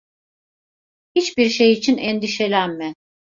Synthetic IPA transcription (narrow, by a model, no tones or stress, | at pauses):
hit͡ʃbiɾʃejit͡ʃʰinɛnd̪iʃe̞lʲænmɛ